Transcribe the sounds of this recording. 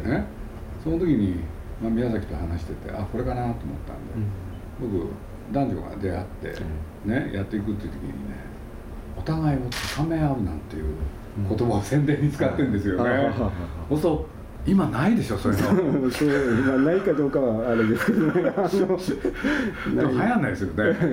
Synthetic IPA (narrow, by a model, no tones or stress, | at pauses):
ne̞ | sono̞t̪o̞kʲiɲ̟i | mamʲinasakʲi̥t̪o̞hanaɕi̥t̪e̞t̪e̞̰ʔako̞ɾe̞kanat̪ːoːmo̞̰t̪ːã̰nd̪e̞ | bo̞kɯ̟̰ | d̪ãɲ̟d͡ʑo̰ɡa̰d̪e̞a̰t̪ːe̞̰ | ne̞jʔat̪ːe̞ikɯ̟t̪ːei̟t̪okʲḭɲ̟ḭnḛ | ot̪aɡaio̞t̪ːkʰame̞aɯ̟nãnt̪ːe̞jɯ̟̰ː | ko̞t̪o̞basẽ̞nd̪eːɲ̟ːit͡sɨ̥kat̪ːẽ̞nd̪esɨjo̞neehoso | imanaid̪e̞ɕo̞so̞ɾeosomanaikad̪o̞ːkaβaːɾed̪esɨ̥ked̪oneano | d̪emhajãnːaid̪esɨjone